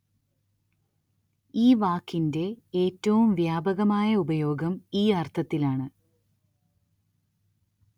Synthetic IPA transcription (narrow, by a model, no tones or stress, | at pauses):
iːʋaːkːinde̞eːtːɐʋumʋjaːbɐɣɐmaːjɐubɐjo̞ːɡɐmiːɐrt̪ʰɐt̪ːilaːɳɨ